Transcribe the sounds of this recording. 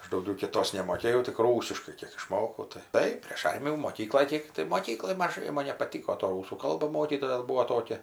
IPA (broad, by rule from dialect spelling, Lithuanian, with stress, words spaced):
ˈɐʃ dɐʊˈɡʲɛʊ kʲɪˈtoːs nʲɛmoːˈkʲeːjɛʊ tʲɪk ˈruːsʲɪʃkɐɪ ˈkʲiɛk ɪʃˈmoːkɐʊ tɐɪ ˈtɐɪ pʲrʲeːʃ ˈɐrʲmʲɪjuː moːˈkʲiːklˠoːj ˈkʲeːk tɐɪ moːˈkʲiːklˠoːj mɐˈʒɐɪ ˈmɐn nʲɛpɐˈtʲiːkoː toː ˈruːsuː ˈkɐlˠbɐ ˈmoːkʲiːtoːjɛ ˈbuɔ ˈtoːkʲɛ